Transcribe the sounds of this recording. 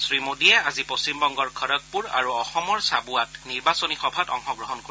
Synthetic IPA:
sɹimodiɛazipost͡ɕimbɔŋɡɔɹkʰɔɾɔk̚puɹa̰ɹuɔxɔmɔɹsabuatniɹbasonixɔbʱatɔ̰ŋxɔɡɹɔɦɔnko

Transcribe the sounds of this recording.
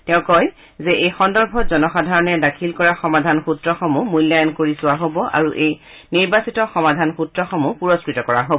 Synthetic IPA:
tɛ̃ʊ̃kɔj | zɛʔejxɔndɔɹbʱɔzɔnɔxadʱaɹɔnɛdakʰilkɔɹaxɔmadʱanxutɹɔxomumujlːajɔnkoɹisʊwaɦobɔʔa̰ɹuʔej | niɹbasitɔxɔmadʱanxutɹɔxomupuɹɔskɹitɔkɔɹaɦobɔ

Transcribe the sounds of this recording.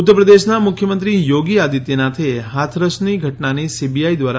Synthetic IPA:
ʊt̪ːəɾpɾəd̪eʃnamʊkʰjəmə̃nt̪ɾijoɡiad̪it̪jenat̪ʰeɦat̪ʰɾəsniɡʱəʈnanisibiaid̪ʋaɾ

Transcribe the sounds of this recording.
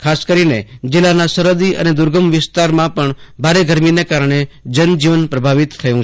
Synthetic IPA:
kʰaskəɾined͡ʒɪlːanasəɾod̪iʔə̰ned̪ʊɾɡʱəmʋɪst̪aɾmãpəɳbʱaɾeɡʱəɾminekaɾɳ̃ed͡ʒənd͡ʒiʋənpɾəbʱaʋit̪ʰːəjũ

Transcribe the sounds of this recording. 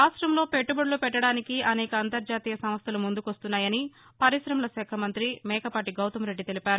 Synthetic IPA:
aːsɾɐmlo̞ːpeʈːubɐɽlupɛʈːɐɽaːnikiɐnɛːkɐːnt̪ɐɾd͡ʒaːt̪iːjɐsɐmɐst̪ɐlumund̪ukʋɐst̪unːaːjɐni | pɐɾiʃɾɐmlɐsɛːkʰɐmɐnt̪ɾimɛːkɐpaːʈiɡɐwt̪ɐmɾe̞ɖːit̪e̞lipaːɾu

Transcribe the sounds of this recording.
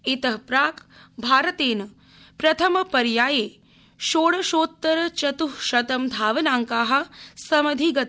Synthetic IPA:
it̪ɐɦpɾaːkbʱaːɾɐt̪eːnɐ | pɾɐt̪ʰɐmɐpɐɾjaːjeː | ʃoːɽɐʃoːt̪ːɐɾɐt͡ʃɐt̪uɦʃɐt̪ɐmd̪ʱaːʋɐnaːŋkaːɦɐ̆sɐmɐd̪ʱiɡɐt̪

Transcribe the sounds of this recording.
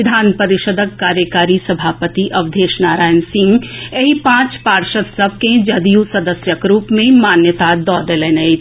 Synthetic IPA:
ɪd̪ʱaːnpɐɾɪʃəd̪ʱəkːaːɾjəkaːɾisɐbʱaːpət̪iʔɐʋd̪ʱeːʃnaːɾaːjənsɪ̃ŋɡeɦipãːt͡ʃpaːɾʃət̪sɐb̚ʱkẽd͡ʒɐd̪ijusɐd̪əsjəkɾuːpmẽmaːnjət̪ad̪ɔːd̪eleːnei

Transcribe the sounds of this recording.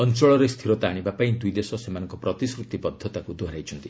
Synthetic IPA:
ɔnt͡ʃɔɭɔɾest̪ʰiɾot̪aːɽ̃ibapaĩd̪ujd̪esɔsemanɔŋkɔprʌt̪iskɾut̪ipʌd̪ʱːɔt̪akud̪ʱoɾajt͡ʃʰunt̪i̥

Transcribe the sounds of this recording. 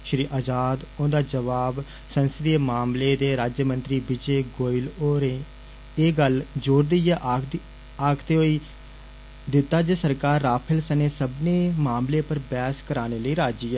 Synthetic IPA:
ʃɾiːʔaːd͡ʒaːd̪õːd̪aːd͡ʒəʋaːb | sənsɪd̪imaːmleːd̪eːɾaːd͡ʒjəmə̃nt̪ɾiːbid͡ʒeːɡoːɪloːɾẽː | eːɡəld͡ʒoːɾd̪ijɛːʔ | aːkt̪eːɦoːiː | d̪ɪt̪ːaːd͡ʒeːsəɾkaːɾːaːpʰəlsəneːsəbneːmaːmleːpəɾbɛːskəɾaːneːləiːɾaːd͡ʒiːɛː

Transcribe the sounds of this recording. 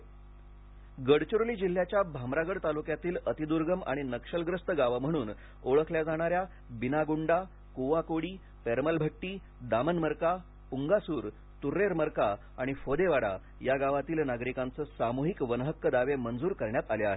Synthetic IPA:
ɡəɽt͡ɕuɾliːd͡ʑil̤ːjat͡ɕjabʱamɾaɡəɽt̪alukjat̪iːlət̪id̪uɾɡəma̰ɽ̃inəkʂəlɡɾəst̪əɡaʋam̤əɽ̃uːn | oɭəkʰljad͡zaɽ̃aɾja | binaɡuɳɖa | kuʋakoɽiː | peɾməlbʱəʈːiː | d̪amənməɾka | uŋɡasuːɾ | t̪uɾːeɾməɾka | aɽ̃ifod̪eʋaɽa̰ | jaɡaʋat̪iːlnaɡɾikãnt͡səːsamuɦikʋənəɦəkːəd̪aʋemənd͡zuːɾkəɾɳjat̪aleaɦe

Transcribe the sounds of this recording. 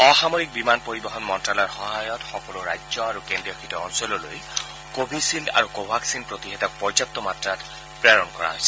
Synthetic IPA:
ɔxamoɹik̚bimanpoɹibɔɦɔnmɔntɹalɔɹxɔɦajɔtxɔkɔlʊɹa̰jd͡ʒzɔaɹukendɹijɔkʰitɔɔnsɔlɔlo̰j | kobʱisinda̰ɹukobʱaksinpɹot̪iɦɛtɔk̚pɔɹzap̚t̪ɔmatɹat | pɹɛɹɔnkɔɹa̰ɦojsɛ̥

